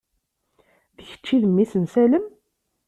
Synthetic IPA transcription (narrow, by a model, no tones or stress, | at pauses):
ðəçə̥t͡ʃːiðəmːisənsæləm